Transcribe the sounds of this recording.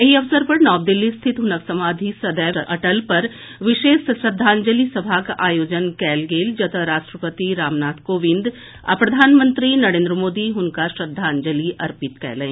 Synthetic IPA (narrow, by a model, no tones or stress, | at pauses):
jɐɦiɐʋsəɾpɐɾnɔːb̚d̪ɪlːist̪ʰɪt̪ɦʊnəksɐmaːd̪ʱisɐd̪əjɐʈəlpɐɾʋɪʃeːsʃɾɐd̪ʱːãːnd͡ʒəlisɐbʱakʔaːjoːd͡ʒənkɛːlɡeːld͡ʒɐt̪ʰəɾaːʃʈɾəpət̪iɾaːmnaːt̪ʰkoːʋɪ̃nd̪ | a̰pɾɐd̪ʱaːnmə̃nt̪ɾinɐɾẽːnd̪ɾəmoːd̪iɦʊnkaʃɾɐd̪ʱːaːɲd͡ʒəliʔɐɾpɪt̪kɛ̰ːlẽː